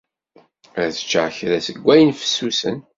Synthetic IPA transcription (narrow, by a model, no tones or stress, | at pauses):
æðə̥t͡ʃːəʕçɾæsəɡʷːæjənfə̥sːusə̰n